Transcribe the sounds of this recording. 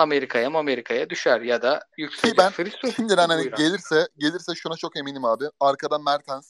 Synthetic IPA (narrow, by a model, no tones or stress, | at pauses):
ameɾikʰajamuameɾikʰajad̪yʃæɾjad̪ajyksibænfɯɾiʃind̪inænhaniɟe̞lʲiɾsɛɟe̞lʲiɾsɛʃunat͡ʃʰo̞ke̞minʲimaːbɪaɾkʰad̪anmæɾt̪ʰænz̥